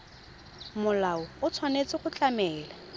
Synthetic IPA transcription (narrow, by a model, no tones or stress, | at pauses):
mʊlaʊʊt͡sʰwanet͡sʼɪχʊt͡ɬʼamɛːla